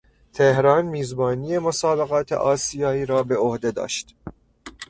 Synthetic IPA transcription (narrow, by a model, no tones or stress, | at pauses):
t̪ʰehɾɒːnmiːzbɒːnije̞mosɒːbeɣɒːt̪ʰḛʔɒːsijɒːiːɾɒːbe̞ohd̪e̞d̪ɒ̰ːʃt̪